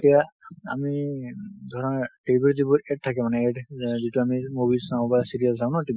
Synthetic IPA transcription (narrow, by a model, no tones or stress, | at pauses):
tijaa̰mi | d̪ʱɔɹɔnʈebɔɹzibɔɛt̚tʰːakɛmanɛɛʈzituamimobilsãw̃basiɹijassaw̃nɔtib